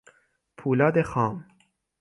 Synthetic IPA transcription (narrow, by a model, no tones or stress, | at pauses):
pʰuːlɒːd̪exɒːm